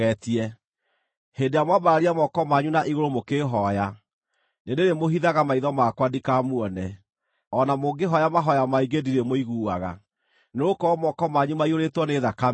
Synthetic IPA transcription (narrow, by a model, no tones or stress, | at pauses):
ɛtiɛ | hendeamwabaɾaɾiamɔkɔmaɲunaʔiɣoɾomokeːɦɔja | nendeɾemoɦiðaɣamaiðɔmakwadikamwɔnɛ | ɔnamoɡeɦɔjamaɦɔjamaiɡediɾemoiɣuːaɣa̰ | neokɔmɔkɔmaɲumaioɾetwɔneðaka